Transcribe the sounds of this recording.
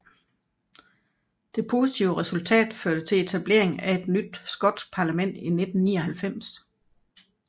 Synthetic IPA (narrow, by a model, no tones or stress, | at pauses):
d̥e̝pʰo̝ːsit͡sʰiʊəʁɛsult͡sʰɛ̰ːd̥føɐd̥ət͡sʰe̝le̝t͡sʰæb̥le̝̰ɐ̰eŋæe̝d̥nyd̥̚sɡ̥ɒ̽d̥sɡ̥̚pʰɑ̈læmen̰d̥ine̝d̥n̩niːɐhælfem̰s